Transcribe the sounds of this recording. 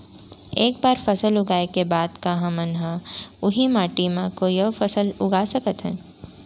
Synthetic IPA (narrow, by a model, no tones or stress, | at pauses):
eːk̚baːɾfɐsəlʊɡaːekebaːd̪kaɦãmɐnɦãʊɦimaːʈimãkojɐʋfɐsəlʊɡaːsɐkət̪ɦɛ̰̃ː